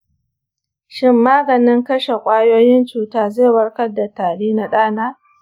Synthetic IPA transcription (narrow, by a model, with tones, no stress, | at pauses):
ʃɪ˦mːaː˦ɡɐ˨nɪ˦ŋkɐ˦ʃe˨kʷʼaː˦joː˦jɪ˦nt͡ʃuː˨taː˦zeː˦˨wɐ˦ɽkɐ˦da˨taː˨ɽiː˦na˨ɗaː˦naː˦